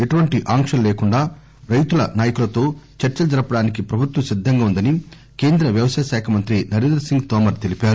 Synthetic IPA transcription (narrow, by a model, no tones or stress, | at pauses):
e̞ʈuʋɐɳʈiʔaːŋkʂɐlleːkuɳɖaː | ɾɐjt̪ulɐnaːjɐkulɐt̪o̞ːt͡ʃɐɾt͡ʃɐd͡ʒɐɾɐpɐɽaːnikipɾɐbʱut̪ʋɐmsid̪ʱːɐŋɡaːund̪ɐni | ke̞ːnd̪ɾɐʋjɐʋɐsɐjɐʃaːkʰɐmɐnt̪ɾinɐɾeːnd̪ɾɐsiŋɡt̪ɔːmɐɾt̪e̞lipaːɾu